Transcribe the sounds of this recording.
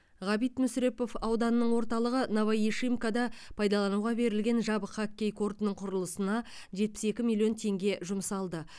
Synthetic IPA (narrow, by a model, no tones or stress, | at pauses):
ʁɑbijt̪mʏsɾe̞po̞fɑwd̪ɑnənəɴwo̞ɾt̪ɑlˠəʁənɑvajiʃimkad̪ɑpʰɑjd̪ɑlˠɑnuʁɑbe̞ɾɪlɡʲe̞nʒɑbəχɑkʲːe̞jkʰo̞rt̪ənəɴqʰʊɾəlˠəsənɑ | ʒet̪̚pɪ̥se̞kʲɪmilʲˠijo̞nt̪ʰe̞ŋɡʲe̞ʒʊmsɑlˠd̪ə